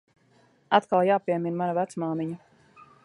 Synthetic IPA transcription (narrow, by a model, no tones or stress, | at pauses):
at̪kalˠjaːpiɛminmanavæt̪smaːmiɲu